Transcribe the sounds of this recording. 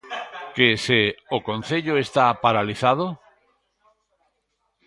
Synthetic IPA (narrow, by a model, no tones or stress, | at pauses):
keseokon̟θeʎoest̪apaɾaliθað̞o